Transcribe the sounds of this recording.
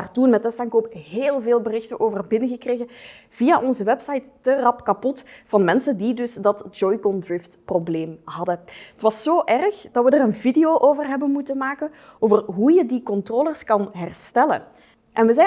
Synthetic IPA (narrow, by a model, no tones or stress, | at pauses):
artunmɛtəsaŋkoːpɦeːlˠveːlˠbərɪxtənʔoːvərbɪnəɣəkreːɣə | v̥iaʔɔnzəʋɛpsɑjtːərɑpkɑpɔtfɑnmɛnsəndidɵsdɑtd͡ʒɔjkɔndrɪftprobleːmɦɑdəətʋɑsːoːʔɛrxd̥ɑtʋədərənvidejoʔoːvərɦɛbənmutənmaːkən | oːvərɦujədikɔntroːlərskɑnɦɛrstɛlə̰ | ʔɛnʋəzɛ